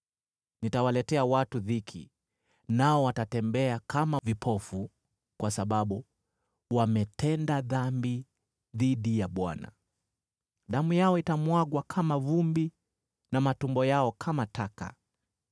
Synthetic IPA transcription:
nitawalɛtɛawatuðikʰḭ | naɔwatatɛmbɛakamavipʰɔfu | kwasaɓaɓu | wamɛtʰɛndaðambi | ðiɗijaɓwa̰na̰ | ɗamujaɔitamwaɠwakʰamavumbi | namatumbɔjaɔkʰamataka̰

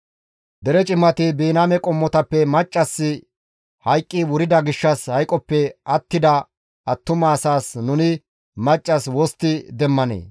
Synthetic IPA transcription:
d̪ɛɾɛt͡ʃʼɪmːɐt̪ɪbiːnamɛkʼɔmːɔt̪ɐpːɛmɐt͡ʃʼːɐsːɪ | hɐjkʼːɪwʊɾɪd̪ɐɡɪʃːɐshɐjkʼɔpːɛɐt̪ːɪd̪ɐ | ʔɐt̪ːʊmɐːsaːsnʊnɪ | mɐt͡ʃʼːɐswɔst̪ːɪd̪ɛmːɐnḛː

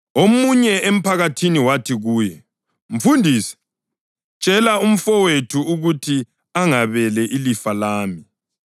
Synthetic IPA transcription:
omuɲɛem̩pʰaɣatʰiniwatʰiɣuːjɛ | ɱ̩fundʱiːsɛ̥ | t͡ʃʼɛlaum̩fɔwetʰuuɣutʰi | aŋaβɛlɛʔilifalaːmi

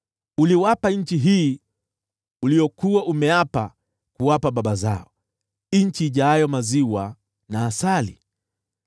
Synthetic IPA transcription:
uliwapaɲ̩t͡ʃiɦiː | ulijɔkuwaʔumɛapa | kuwapaɓaɓaza̰ɔ | iɲt͡ʃiːʄajɔmaziwa | naːsalḭ

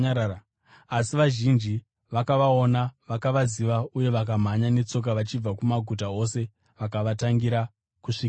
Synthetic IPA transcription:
asiʋaʒind͡ʒi | ʋakaʋao̞naʋakaʋaziʋauje̞ʋak̬am̤aɲane̞t͡so̞k̬aʋat͡ʃib͡vakumaɡʱut̬ao̞se̞ | ʋakaʋataŋɡiɾa | kuʂika

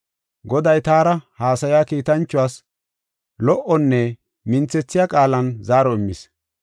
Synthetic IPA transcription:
ɡɔd̪ɐjt̪aːɾɐhaːsɐjaːkiːt̪ɐnt͡ʃːʊwaːs | lɔʔɔnːɛ | mɪnt͡sɛt͡sːɪjaːkʼaːlɐnzaːɾɔɪmːɪs

